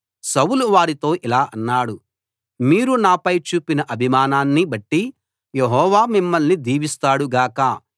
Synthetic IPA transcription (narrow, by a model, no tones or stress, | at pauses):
sɐwuluʋaːɾit̪o̞ːʔilaːʔɐnːaːɽu | miːɾunaːpɐjt͡ʃuːpinɐʔɐbʱimaːnaːnːibɐʈːi | jeɦɔːʋaːmimːɐlnid̪iːʋist̪aːɽuɡaːkɐ